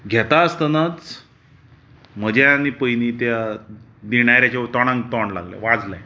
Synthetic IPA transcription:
ɡʱɛt̪aəst̪ənat͡s | m̤əd͡ʑanːiːpəjniːt̪ja | d̪iɽajɾjat͡ɕat̪ɔɽ̃ãŋɡt̪ɔɳla̰ɡla̰ʋad͡zlaj

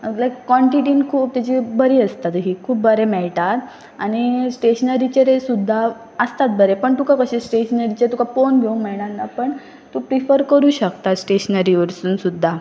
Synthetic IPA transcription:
əlajkːɔɳʈiʈiːnkʰuːp̚t̪at͡ɕibəɾiːəst̪at̪ɦiːkʰuːp̚ːbəɾemɛɭt̪at̪ | aɽ̃isʈeɕnəɾit͡ɕeɾesud̪ʱːa | əst̪at̪̚bəɾepəɳt̪ukʰakəɕẽsʈeɕənəɾit͡ɕet̪ukʰafonɡʱeũŋmɛɭɽãnːapəɳ | t̪upɾifəɾkəɾuːɕəkt̪at̪sʈeɕnəɾiʋəɾsuːnsud̪ʱːa

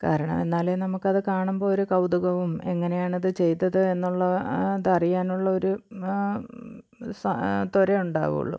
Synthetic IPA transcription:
ka̰ːɾɐɳɐ̰me̞nːaːlenɐmukːɐðɨkaːɳumbo̞ːoɾukɐwd̪uɣɐʋume̞ŋːɐne̞jaːɳɐðɨt͡ɕe̞jt̪ːɐðɨe̞nːuɭːɐd̪ɐrijaːnuɭːɐo̞ɾu | st̪oɾeuɳɖa̰ːɣṵṵɭːṵ

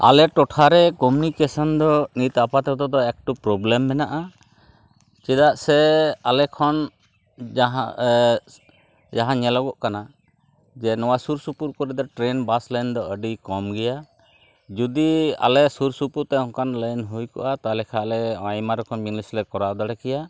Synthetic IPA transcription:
a̰lɛʈɔʈʰaɾɛkɔmunikɛsɔnd̪ɔnit̪apat̪ɛt̪ɔd̪ɔɛk̚ʈupɾɔblɛmːɛnaʔa | t͡ʃɛd̪aʔsɛalɛkʰɔn | d͡ʒɦ | d͡ʒaɦãɲɛlɔɡɔʔkana | d͡ʒɛnɔwasuɾsupuɾkɔɾɛd̪ɔʈɾɛnbasləjnd̪ɔəɖikɔmɡɛja | d͡ʒud̪ia̰lɛsuɾsupuɾt̪ɛhɔ̃ŋkanləjnɦujkɔ̰ʔat̪alɛkʰalɛajmaɾɔkʰɔnbinislɛkɔɾad̪ɔɽɛkɛja

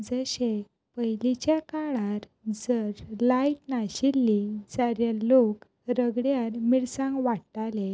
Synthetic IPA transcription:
d͡zəɕe | pəjlit͡ɕjakaɭaɾ | d͡zəɾlaiʈnaɕilːid͡zaɾjalok | ɾəɡɽjaɾmiɭsãŋɡʋaɽtale

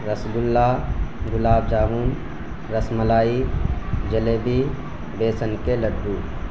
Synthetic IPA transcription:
ɾəsɡʊlːaɡʊlaːbd͡ʒaːɦuːn | ɾəsməlaːid͡ʒəleːbi | beːsənkeləɖːuː

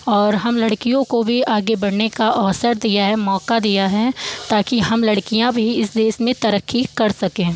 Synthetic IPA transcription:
ɔːɾɦɐmlɐɽkijõkobʱiʔaːɡebɐɽnekaʔɔːsəɾd̪ijaɦɛmɔːkad̪ijaɦɛt̪aːkiɦɐmlɐɽkijãbʱiɪsd̪eːʃmẽt̪ɐɾəkʰːikɐɾsɐkẽː

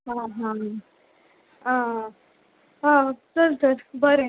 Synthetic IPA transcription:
ɦãɦã | ã | ɦãsəɾsəɾbəɾe

